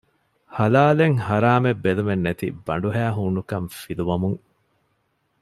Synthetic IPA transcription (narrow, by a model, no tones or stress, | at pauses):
hɐlaːleŋhɐɾaːmebːelumenːet̪ḭbɐ̰ɳɖuɦæːɦuːnukɐmfiluʋɐmuŋ